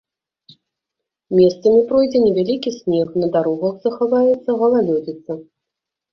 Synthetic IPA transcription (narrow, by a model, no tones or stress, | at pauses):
mʲɛst̪sɐmʲipɾɔjd͡zʲɛnʲɛvʲalʲikʲisʲnʲɛxnɐd̪aɾɔɣɐxzɐxavajɛt̪sːɐɣɐlˠalʲɔd͡zʲɛt̪sːɐ